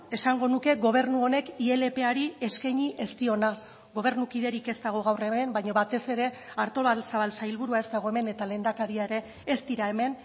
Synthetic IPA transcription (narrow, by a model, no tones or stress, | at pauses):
e̞saŋɡo̞nuke̞ɣo̞β̞e̞rnuo̞ne̞kie̞le̞pe̞aɾie̞skajɲiʔe̞st̪io̞na | ɣo̞β̞e̞ɾnukiðe̞ɾike̞st̪aɣ̞o̞ɣ̞awre̞membajɲoβat̪e̞se̞ɾe̞ | aɾt̪o̞βalsaβalsajlβuɾuae̞st̪aɣ̞o̞e̞me̞ne̞t̪ale̞nd̪akaɾiae̞ɾe̞ː | st̪iɾae̞me̞n